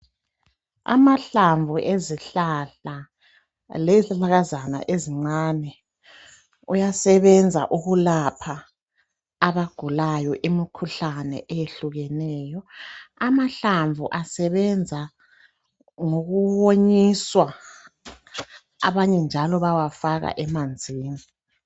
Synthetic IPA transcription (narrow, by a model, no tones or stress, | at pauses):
a̰maɬaɱvuʔeziɬaɬa | lɛzilaɣazana̰ʔeziŋ͡ǀaːnɛ | ujasɛβɛnd͡zʱa̰ʔuɣulapʰaː | βaɡ̥ʱulajɔʔimikʰuɬanɛ̰ʔejeɬuɣɛnɛːjɔamaɬaɱvʱuʔasɛβɛnd͡zʱa | ŋoɣuβwoɲiswa | a̰βaɲɛnd͡ʒʱalɔβawafaɣa̰ʔɛmand͡zʱiːni